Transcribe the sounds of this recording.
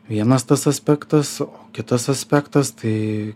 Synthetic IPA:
ʋʲiɛnɐst̪ɐsɐsʲpʲæːkt̪ɐsoːkʲɪt̪ɐsɐsʲpʲækt̪ɐst̪ɐɪ

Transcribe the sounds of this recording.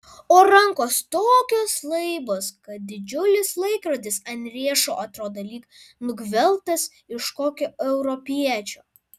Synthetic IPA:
oːɾɐŋkoːst̪oːkʲoːslˠɐɪboːskɐt̪̚d̪ʲɪd͡ʒʲʊlʲɪslˠɐɪkɾod̪ʲɪsɐnʲɾʲiɛʃoːʔɐt̪ɾoːd̪ɐlʲiːknʊɡʋʲɛlˠt̪ɐs | ɪʃkoːkʲoɛʊɾɔpʲiɛt͡ʃʲoː

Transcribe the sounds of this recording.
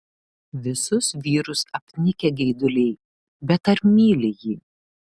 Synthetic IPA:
ʋʲɪsʊsʋʲiːɾʊsɐpʲnʲɪkʲɛɡʲɛɪd̪ʊlʲɛɪ | bʲɛt̪ɐɾmʲiːlʲɪjiː

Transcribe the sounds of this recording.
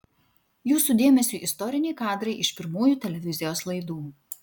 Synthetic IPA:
juːsuːd̪ʲeːmʲɛsʲuːʔɪst̪ɔɾʲɪnʲɛɪkɑːd̪ɾɐɪʔɪʃpʲɪɾmuːjuːt̪ʲɛlʲɛʋʲɪzʲɪjoːslˠɐɪd̪uː

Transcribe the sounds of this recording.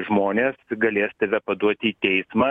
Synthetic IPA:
ʒmoːnʲeːsɡɐlʲeːst̪ɐʋʲɛpɐd̪uɔt̪ʲiːt̪ʲɛɪsmɑ

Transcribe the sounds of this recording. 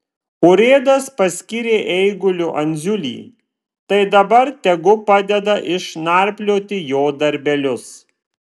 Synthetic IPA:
ʊɾʲeːd̪ɐspɐsʲkʲiɾʲeːʔɛɪɡʊlʲʊʔɐnʲzʲʊlʲḭː | t̪ɐɪd̪ɐbɐɾt̪ʲɛɡʊpɑːd̪ʲɛd̪ɐʔɪʃnɑˑɾʲpʲlʲoːt̪ʲɪjoːd̪ɐɾʲbʲɛlʲʊs

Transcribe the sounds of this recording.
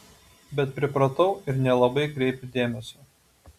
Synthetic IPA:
bʲɛt̪pʲɾʲɪpɾɐt̪ɒʊɪɾnʲɛlˠɐbɐɪkɾʲɛɪpʲɪd̪ʲeːmʲɛsʲuː

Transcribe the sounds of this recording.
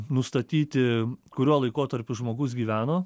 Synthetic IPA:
nʊst̪ɐt̪ʲiːt̪ʲɪkʊɾʲuɔlˠɐɪkoːt̪ɐɾʲpʲʊʒmoːɡʊsɡʲiːʋʲæːnoː

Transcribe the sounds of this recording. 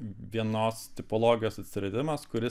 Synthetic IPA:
ʋʲiɛnoːst̪ʲɪpolˠoːɡʲɪjoːsɐt̪ʲsʲɾʲɛd̪ʲɪmɐskʊɾʲɪ

